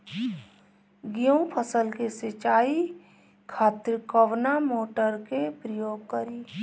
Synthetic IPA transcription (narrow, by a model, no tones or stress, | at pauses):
ɡijəũpʰəsəlkeset͡ʃaːi | kʰaːt̪ɾkəʋnamoːʈəɾkepɾəjoːɡ̚kəɾiː